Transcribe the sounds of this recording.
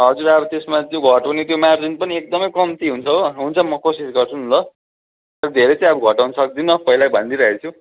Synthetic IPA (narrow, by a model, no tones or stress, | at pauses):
ɦʌd͡zuɾabʌt̪esmat̪joɡʱʌʈanit̪jomard͡zinpʌniek̚d̪ʌmʌjkʌmt̪iɦunt͡sʰʌoɦunt͡sʰʌmʌkosisɡʌrt͡sʰunlʌ | t̪ʌɾʌd̪ʱeɾet͡sʌ̃ĩʌbuɡʱʌʈawnʌsʌk̚d̪inʌpʌɦilabʱʌnd̪iɾʌɦet͡sʰu